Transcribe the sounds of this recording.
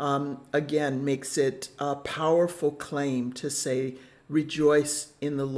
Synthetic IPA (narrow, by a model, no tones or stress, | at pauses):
ɨɡɛ̃nmeɪksɪtpʰaʊə˞fl̩ˠkʰl̥ẽɪ̃mtʰɨseɪ | ɹid͡ʒɔɪsɨ̃nðəl